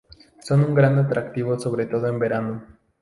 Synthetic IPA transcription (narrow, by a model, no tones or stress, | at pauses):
so̞nuŋɡɾand̪at̪ɾakt̪iβo̞so̞βɾe̞t̪o̞ðoembe̞ɾano̞